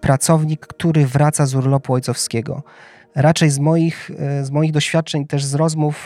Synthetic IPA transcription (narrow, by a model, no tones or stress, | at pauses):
pɾat̪sɔvɲikːt̪uɾɘvɾat̪sazuɾlɔpuɔjt̪sɔfskʲɛɡɔ̰ | ɾat͡ʂɛjzmɔjixzmɔjiɣd̪ɔɕfʲjat̪̚t͡ʂɛɲt̪ɛʐzɾɔzmuf